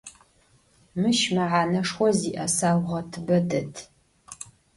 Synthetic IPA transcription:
mɨʃmɐʕaːnɐʂxʷɔziːʔɐsaːwʷʁɐtʰɨbɐdɐtʰ

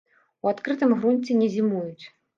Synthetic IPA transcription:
uat̪kɾɨt̪ɨmɣɾunʲt͡sʲɛnʲɛzʲimujut͡sʲ

